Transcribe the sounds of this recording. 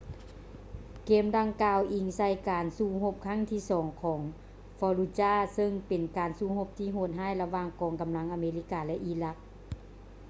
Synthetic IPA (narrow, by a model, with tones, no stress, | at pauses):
keː˧˩mda˧ŋkaː˧wʔi˧˩ŋsa˧˩jkaː˨˩nsuː˧˨ɦo˧p̚kʰa˧˥˩ŋt̪ʰiː˧˨sɔː˨˦ŋkʰɔː˩˦ŋ | fɔː˧luː˧t͡ɕaː˧˥˩sɤ˧˨ŋpe˨˩nkaː˨˩nsuː˧˩ho˧p̚t̪ʰiː˧˥˨ɦoː˧˩t̪̚ɦaː˧˥˨jla˧waː˧ŋkɔː˨˩ŋka˨mla˧˦ŋʔaː˨meː˧li˧˩kaː˨˩lɛ˧ʔiː˧˩la˧˥k̚